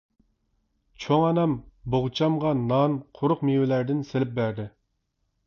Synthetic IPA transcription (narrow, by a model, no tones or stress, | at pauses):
t͡ʃʰoŋɑnɑmboʁt͡ʃʰɑmʁɑnɑnqʰʊɾʊqmiwɪlæɾd̪ɪnselɪp̚bæɾd̪ɪ